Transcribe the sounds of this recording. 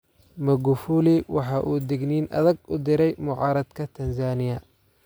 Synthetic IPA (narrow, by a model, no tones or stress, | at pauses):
mɐɡʊfuːlɪwɑħɑːʔuːd̪ɪɡniːnʔɐ̰ðɐɡʊd̪ɪɾɛjmʊʕɑːɾɐd̪kʰɐt̪ʰɐnsaːnɪjɐ